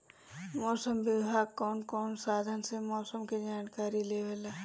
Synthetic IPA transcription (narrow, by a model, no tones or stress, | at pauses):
mɔːsəmbɪbʱaːɡ̚kɔːnkɔːnsaːd̪ʱənsemɔːsəmkid͡ʒaːnkaːɾileːʋelaː